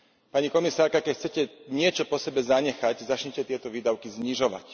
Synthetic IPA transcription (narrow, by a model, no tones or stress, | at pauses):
paɲikɔmisaːɾkakɛcxt͡sɛcɛɲɪɛt͡ʃɔpɔsɛbɛzaɲɛxaczat͡ʃɲɛcɛt̪ɪɛt̪ɔʋiːd̪aʊkizɲiʒɔʋa̰c